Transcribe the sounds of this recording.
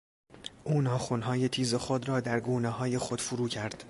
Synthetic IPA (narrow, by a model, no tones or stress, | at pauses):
ʔuːnɒːxonɦɒːje̞t̪ʰiːzexod̪rɒːd̪æɾɡuːnehɒːje̞xod̪̥fuɾuːcʰæɾd̪̥